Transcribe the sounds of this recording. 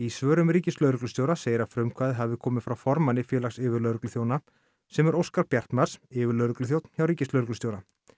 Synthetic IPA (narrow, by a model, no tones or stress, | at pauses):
isvœːɾʏmriːcɪslœːɥɾʏklʏst̪jowɾaseːjɪɾafɾʏmkʰvaːðɦavɪkʰɔːmɪðfɾawfɔɾmanːɪfjɛːlaxsɪːvɪɾlœːɾʏklʏθjoːwna | sɛmɛɾowskaɾpjɛr̥t̪nmaɾ̥sɪːvɪɾlœɥɾʏklʏθjowt̪n̥çawɾiːcɪslœɥɾʏklʏst̪joːwɾa